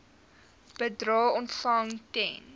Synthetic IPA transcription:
b̥ədrɑːɔntfɐŋtɛn

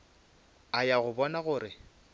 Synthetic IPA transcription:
ajaɣʊbɔnaɣʊːɾɪ

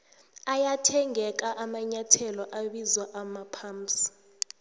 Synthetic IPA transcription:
ajatʰɛŋɛk̬aʔamaɲatʰɛlɔʔaɓizwaʔamapʰaːmsi̥

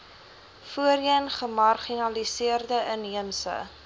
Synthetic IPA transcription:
fuəɾiəənχəmɐrχinɐlisiərdəʔəniəmsə̰

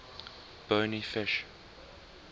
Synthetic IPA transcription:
b̥oːnifɪʃ

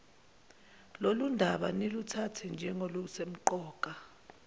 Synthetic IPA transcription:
lolundʱaɓanelutʰatʰɛnd͡ʒʱɛŋoluusem̩ǃɔːk̬ʼa

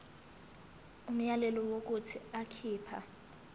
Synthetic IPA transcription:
um̩jalɛlɔwok̬ʼutʰiakʰiːpʰa̰

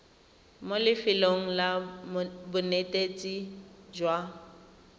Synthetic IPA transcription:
molɪfɪloŋ̩la | bʊnetʼet͡sʼid͡ʒwa

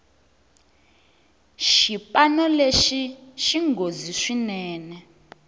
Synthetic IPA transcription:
ʃipanɔleʃiʃiŋɡoziʂinɛːnɛ

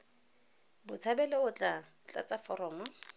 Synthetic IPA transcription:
bʊt͡sʰabɛleʊt͡ɬʼa | t͡ɬʼa̰t͡sʼafɔɾɔːmɔ

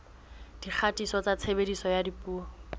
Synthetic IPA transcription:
d̥ik͡xʰatʼisɔt͡sat͡sʰebedisɔjadipʼuːɔ

